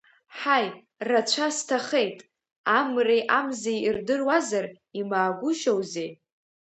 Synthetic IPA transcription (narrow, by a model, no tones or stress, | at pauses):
ħaj | rat͡ɕʷʰastʰaχe̞jtʼ | amrejʔamzejirdɨrwazar | imaːɡʷʊʃowze